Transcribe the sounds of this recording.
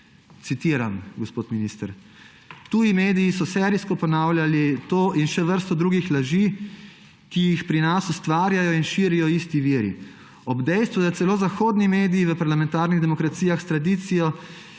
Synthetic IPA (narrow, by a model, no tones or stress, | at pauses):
t̪sit̪iɾamɡɔspoːt̪miniːst̪ɾ | t̪uːjimeːd̪iisɔsɛɾiskɔpɔnawlʲjalit̪oːʔinʃɛʋəɾst̪ɔd̪ɾuːɡixlaʒi | kijixpɾinasust̪ʋaːɾjajɔinʃiːɾijɔist̪iʋiːɾḭ | ɔbd̪ɛjst̪ʋud̪at̪sɛloːzaxoːd̪nimeːd̪ijiʋəpaɾlamɛnt̪aːɾniɣd̪ɛmɔkɾat̪sijaxst̪ɾad̪it̪sijɔ